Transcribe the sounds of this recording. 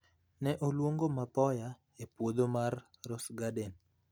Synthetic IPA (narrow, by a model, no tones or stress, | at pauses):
nɛʔolwoŋɡomapɔja | epwod̪omarː | ɔsɡaden